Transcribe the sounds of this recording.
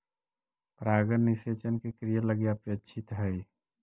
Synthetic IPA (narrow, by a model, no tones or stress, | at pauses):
pɾaːɡənniset͡ʃənkekɾijələɡjeəpet͡ʃʰɪt̪ɦɛi